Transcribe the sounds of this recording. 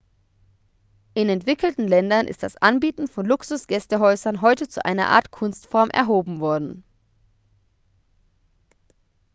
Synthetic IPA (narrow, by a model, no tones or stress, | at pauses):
ʔɪnɛntv̥ɪkl̩tn̩lɛndɐnʔɪ̰std̥asʔanbiːtn̩fɔnlʊksʊsɡ̥ɛstəɦɔʏzɐnɦɔʏtət͡suʔa̰ɪnɐ̰ʔa̰ːɐtkʰʊnstfɔɐmʔɛ̰ɐɦoːbm̩vɔɐdn̩